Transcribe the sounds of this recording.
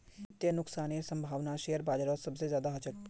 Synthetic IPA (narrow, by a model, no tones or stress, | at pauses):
t̪jənʊksaːnisɐ̃mbʱaːʋnaʃejəɾbaːd͡ʒɾɔsɐbsezjaːd̪aɦɐt͡ʃək̚